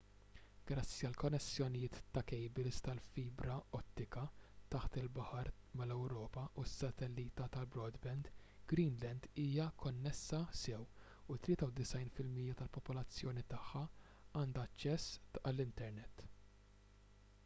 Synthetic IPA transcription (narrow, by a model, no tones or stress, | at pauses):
ɡ̥ɾɐt͡sːiɐlkɔnːɛsːjɔnɪjɪːt̪ːɐkɛjbɪlst̪ɐlfiːbɾɐɔt̪ːɪkɐt̪ɐħt̪ɪlbɐħɐɾ | mɐlɛwɾɔːpɐusːɐt̪ɛlːiːt̪ɐt̪ɐlbɾɔːd̪bɛnd̪ | ɡ̥ɾiːnlɛnd̪iːjɐkʰɔnːɛsːɐsɛw | ut̪ːlɪːt̪ɐwd̪ɪsɐjnfɪlmiːjɐt̪ɐlpɔpɔlɐt͡sːjɔːnit̪ɐħːɐ | ɐːnd̪ɐːt͡ʃːɛsːɐlːɪnt̪ɛɾnɛt̪ː